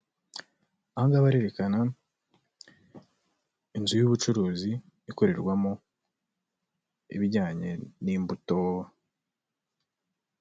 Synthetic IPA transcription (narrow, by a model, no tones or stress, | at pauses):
ahaŋɡaβaɾe̞ɾe̞kana | inzujuβut͡ʃuɾuːziː | ko̞ɾe̞ɾɡwamo | ḭβiɾɟaːɲe̞̰niːmbutowa